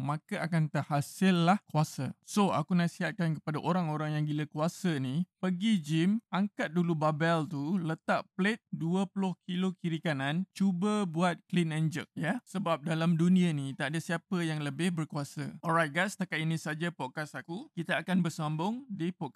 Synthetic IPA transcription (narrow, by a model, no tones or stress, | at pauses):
mãkaʔakant̪əhasɪlːahkuasa̰soa̰kunasiɦat̪̚kankə̥padaʔoɾaŋoɾaŋjaŋɡiləkuasənipəɡid͡ʒimʔaŋkat̪̚dulubabɛlt̪ulət̪aʔplet̪̚duəplʊhkilokiɾikanãnt͡ʃubəbuat̪̚klinɛnd͡ʒək̚jasəbap̚dalamdunĩanit̪aʔdasiapəjaŋləbɪhbərkuasa̰ɔɾajt̪̚ɡast̪akat̪inĩsad͡ʒapɔt̪̚kasakukit̪aakanbərsambʊŋdipɔka